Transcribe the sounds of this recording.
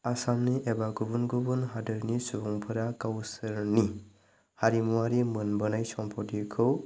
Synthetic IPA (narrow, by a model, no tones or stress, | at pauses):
asamniʔebaɡubunɡubunɦadɯɾnisubuŋpʰɯɾakawsɯɾni | haɾimuwaɾimɯnbɯnajsɔmpʰɔdikʰɯw